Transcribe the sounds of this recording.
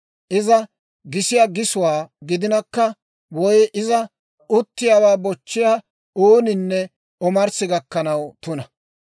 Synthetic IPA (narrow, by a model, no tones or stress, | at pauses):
ʔɪzɐ | ɡɪsɪjaːɡɪsʊwaːɡɪd̪ɪnɐkːɐ | wɔjʔɪzɐ | ʊt̪ːɪjaːwaːbɔt͡ʃːɪjaː | oːnɪnːɛ | ɔmɐɾsɪɡɐkːɐnɐwt̪ʊnɐ